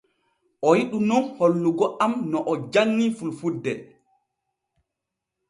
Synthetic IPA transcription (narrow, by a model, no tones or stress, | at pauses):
ʔɔjiɗunɔnholːuɡɔʔamnɔʔɔd͡ʒanːifulfudːɛ̰